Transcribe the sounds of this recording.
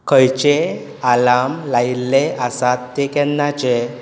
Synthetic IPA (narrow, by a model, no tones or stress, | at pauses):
kəjt͡ɕe | alamlailːeəsat̪ːekɛnːat͡ɕe